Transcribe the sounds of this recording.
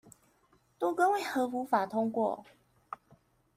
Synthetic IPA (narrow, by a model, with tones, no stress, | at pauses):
t̪o˥ʊkə˦nwe˥˩ɪxɤ˨˧˥fu˨˥fa˨˩t̪ʰʊ˥ŋkwɔ̰˥˨